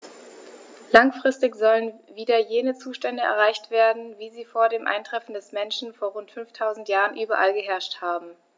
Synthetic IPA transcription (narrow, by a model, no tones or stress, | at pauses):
laŋfʁ̥ɪstɪçz̥ɔlənviːdɐjeːnət͡suːʃtɛndəɛ̰ɐʁ̞aɪçtv̥eːɐdn̩viːziːfoːɐdeːmʔa̰ɪntʁ̥ɛfn̩dɛsmɛnʃn̩foːɐʁʊntfʏnftʰaʊzn̩tjaːʁənʔyːbɐʔa̰lɡəɦɛɐʃthaːbm̩